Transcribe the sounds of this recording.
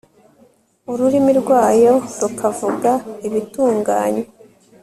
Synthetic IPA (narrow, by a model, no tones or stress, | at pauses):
uɾuɾimiɾɡwaːjo̞ɾukʰavuɡaiβituːŋɡaːɲe